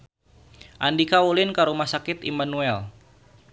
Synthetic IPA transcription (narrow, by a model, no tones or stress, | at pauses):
ʔandikaulɪnkəɾumahsakɪt̪ḭmanuɛl